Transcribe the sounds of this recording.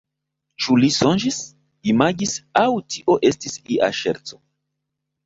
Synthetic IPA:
t͡ʃulisond͡ʒis | imaɡisawtʰiʔo̞ʔe̞stisiʔa̰ʃḛɾt͡so̞

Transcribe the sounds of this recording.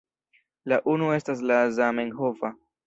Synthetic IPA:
laʔunue̞stas̬lazameŋɦova

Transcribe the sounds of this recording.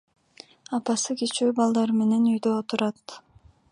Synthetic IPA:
ɑpɑsɯkit͡ʃyːbɑlˠd̪ɑɾme̞ne̞nyjd̪øot̪uɾɑt̪

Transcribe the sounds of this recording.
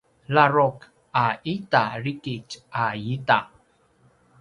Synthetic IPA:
laɾɔk | aitaɾikit͡ʃajita

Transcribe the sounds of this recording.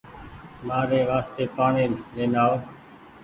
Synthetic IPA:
maːɾeːʋaːst̪eːpaːɳeːneːnaːo

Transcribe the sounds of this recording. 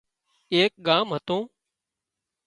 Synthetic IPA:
eːk̚ɠaːmɦət̪õː

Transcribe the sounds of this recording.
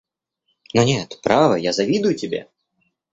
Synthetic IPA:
nɐnʲet̪pɾavɨjazavʲid̪ʊjʊtʲɪbʲḛ

